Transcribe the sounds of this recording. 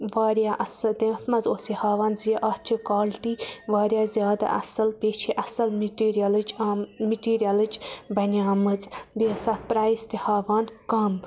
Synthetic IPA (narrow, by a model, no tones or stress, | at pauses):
ʋaːɾjaːʔɐsɐd̪eːt̪ʰmɐzoːsihaːʋaːnzijeʔɐːt̪t͡ʃʰikaːlʈiːʋaːɾjaːzjaːd̪a̰ʔɐ̰sɐlpeːt͡ʃʰiʔɐsɐlmʈiːɾiɐlɨd͡ʒamiʈiːɾijalɨd͡ʒbɐnʲaːmɨzbiɐsɐːt̪̚pɾaːist̪ihaːʋaːnkɐm